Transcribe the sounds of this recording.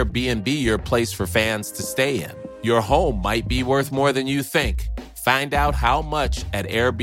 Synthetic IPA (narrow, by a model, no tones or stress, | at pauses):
ɹbiɨ̃nbijə˞pʰl̥eɪsfə˞fæ̃nz̥tʰɨsteɪɪ̰̃njə˞hõʊ̃mːaɪt̚b̥iwɜ˞θmɔɹðɨ̃njɨθɪ̃ŋk | fãɪ̃ndaʊt̚ɦaʊmʌt͡ʃɨɾɛɹb